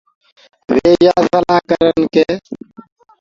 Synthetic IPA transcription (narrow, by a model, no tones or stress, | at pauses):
ʋeːjaːsəlaːkəɾənkeː